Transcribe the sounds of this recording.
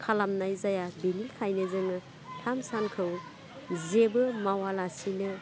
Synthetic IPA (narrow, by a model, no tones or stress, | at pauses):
kʰalamnajzajabenilkʰajnɯzɯŋɯ | tʰamsankʰɯw | zebɯmawalasinɯ